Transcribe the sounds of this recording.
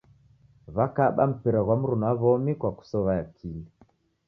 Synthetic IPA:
βakaɓam̩piɾaɣwam̩ɾunaβɔmikwaku̥sɔβajakʰilɛ

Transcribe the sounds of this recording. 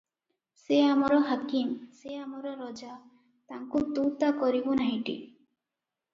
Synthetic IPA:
seamɔɾɔɦakimseamɔɾɔɾɔd͡ʒa | t̪aŋkut̪ut̪akɔɾibonaɦiʈḭ

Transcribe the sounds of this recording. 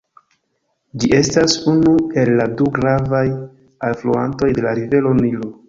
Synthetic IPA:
d͡ʒiʔe̞stasunue̞lːaduɡɾavaj | alflua̰nto̞jde̞laɾive̞lo̞nilo

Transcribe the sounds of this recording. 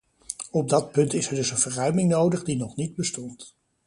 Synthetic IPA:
ɔb̚dɑt̚pɵntɪsɛɹdɵsənvərœɥmɪŋnowdəχdinɔχnid̚bəstɔnt

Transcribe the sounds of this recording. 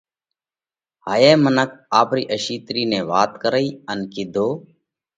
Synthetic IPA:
ɦaːjeːmənək̚aːpɾiːʔəʃiːt̪ɾiːnẽːʋaːt̪kəɾəiːənkɪd̪ʱoː

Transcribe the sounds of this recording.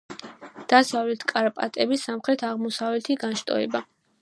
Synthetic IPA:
d̪̥asavlɛt̪ʰkʼaɾapʼa̰t̪ʼɛbisamχɾɛt̪ʰaʁmɔsavlɛt̪ʰiɡanʃt̪ʼɔ̰ɛba

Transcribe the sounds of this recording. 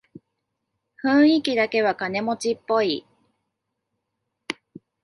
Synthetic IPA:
ɸɯ̟̃ɰ̃ikʲid̪ake̞β̞akane̞mo̞t͡ɕipːo̞i

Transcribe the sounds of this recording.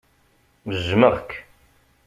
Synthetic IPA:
məzməʁkː

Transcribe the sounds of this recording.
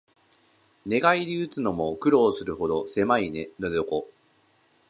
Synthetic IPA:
ne̞ɡaiɾʲiɯt͡sɨno̞mo̞kɯ̟ɾo̞ːsɨɾɯ̟ho̞d̪o̞se̞mainenod̪eoko

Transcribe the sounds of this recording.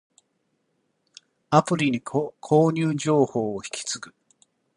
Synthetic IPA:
apɯ̟ɾʲiɲ̟ikkʰo̞ːɲʲɨːd͡ʑo̞ːhoːoçi̥kʲi̥t͡sɨɡɯ

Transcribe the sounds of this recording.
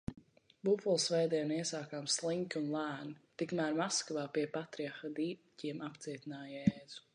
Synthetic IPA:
bufulˠsvɛjd̪iɛniɛsaːkaːmslˠiŋkʲunlˠæːnit̪ikmæːɾmaskvaːpiɛpat̪ɾiaxad̪iːciɛmapt̪siɛt̪inaːjɛːz̥u̥

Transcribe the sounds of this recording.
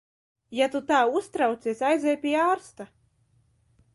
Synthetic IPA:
jat̪ut̪aːust̪ɾawt̪sʲiɛsʲajzɛjpʲiaːɾst̪a

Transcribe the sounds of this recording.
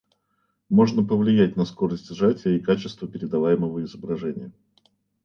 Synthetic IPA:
mo̞ʐnəpəvlʲɪjætʲnəsko̞ɾəsʲtʲʐatʲɪjəikat͡ɕɪst̪vəpʲɪɾʲɪd̪ɐvajɪməvəɪzəbɾɐʐɛnʲɪjə

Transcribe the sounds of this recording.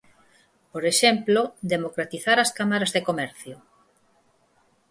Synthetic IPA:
poɾeʃemplod̪emokɾat̪iθaɾaskamaɾazðekomɛɾθjo

